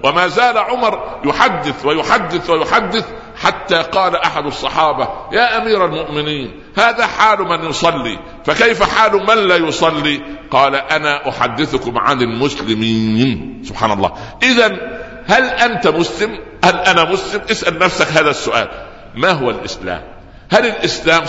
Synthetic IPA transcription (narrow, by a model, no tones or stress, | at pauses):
wʔɪmaːzaːlʕʊmɑɾˤjʊħad̪ːɪθwajʊħad̪ːɪθwajʊħad̪ːɪθ | ħat̪ːaːqɑːlaʔaħad̪ɑsˤːɑħɑːbɑjaːʔamiːɾalmʊʔmɪniːn | haːðaːħaːlʊmanjʊsˤɑlːḭː | fakajfaħaːlʊmanlaːjʊsˤɑlːiːqɑːlaʔanaːʔʊħa̰d̪ːɪθʊkʊmʕa̰nd̪ɪlmʊslɪmiːnsʊb̥ħa̰ːnɑlˤːɑ̰ːʔɪðan | hælʔant̪amʊslɪm | hælʔænæmʊslɪmʔɪsʔalnæfsakɦaːðæsːʊʔa̰ːl | maɦʊwalʔɪsla̰ːm | hælɪlʔɪslaːm